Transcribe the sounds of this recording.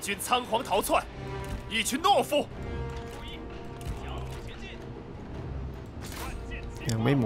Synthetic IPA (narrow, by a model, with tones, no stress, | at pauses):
t͡ɕʰy˧˥nt͡sʰa˥ŋxwɑ˧˥ŋt̪ʰɑ˧˥ʊt͡sʰwa˥˩ni˥˩t͡ɕʰy˧˥nnwɔ˥˧fu˥˩˧u˧˥i˥˧˩ | ɕɛ˧˥t͡ɕi˥n | wa˧˥nɛ˧ljɑ˨˩ŋme˧˥ɪm